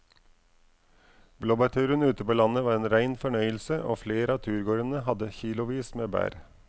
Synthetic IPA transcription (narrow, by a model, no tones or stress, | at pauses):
bloːbɑt̪ʰʉːɾənʉːt̪əpoːlɑnəʋɑːɾeːnɾæɪnfɔɳœʏəlsəʔo̰ːfleːɾʔɑːt̪ʰʉːɾɡoːɾənəhɑd̪əçiːlʊʋiːsmeːbæ̰ːɾ